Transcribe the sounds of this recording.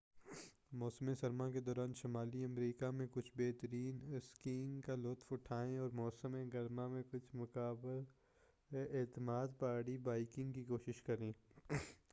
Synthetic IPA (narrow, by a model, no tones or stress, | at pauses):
mɔːsəmẽsɐɾmãked̪ɔːɾaːnʃɐmaːliɐmɾiːkamẽkʊt͡ʃʰbeːɦt̪əɾiːnskiːŋkalʊt̪fʊʈʰaːẽɔːɾmɔːsəmẽɡɐɾmãmẽkʊt͡ʃʰmʊkaːbəl | eːt̪əmaːd̪paːɽibaːɪkɪ̃ŋɡkikoːʃɪʃkɐɾẽː